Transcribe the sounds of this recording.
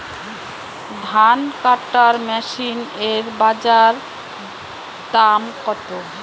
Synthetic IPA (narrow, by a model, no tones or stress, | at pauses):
d̪ʱankaʈːaɾmɛʃineɾbad͡ʑaɾ | d̪amkɔt̪o